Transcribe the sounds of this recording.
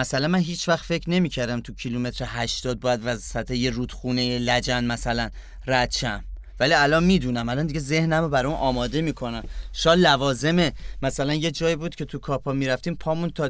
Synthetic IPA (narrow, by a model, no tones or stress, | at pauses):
mæsælænmænɦiːt͡ʃʰvæχt̪fe̞cʰɾne̞miːcʰæɾd̪æmt̪ʰucʰilume̞t̪ʰɾehæʃt̪ɒːd̪̚bɒːjæd̪væzfæt̪ʰeje̞ruːd̪̥xuːne̞jelæd͡ʒænmæsælæn | ræt̪t͡ʃæm | væliælɒnmiːd̪uːnæmælɒnd̪iɡɟeze̞hnæmobæɾunʔɒːmɒːd̪e̞miːkʰo̞næmʃɒːd̪lævɒːze̞memæsælænje̞d͡ʒɒːjiːbuːd̪cʰe̞t̪ʰukʰɒːpʰɒːmiːɾæft̪iːmpʰɒːmunt̪ʰɒ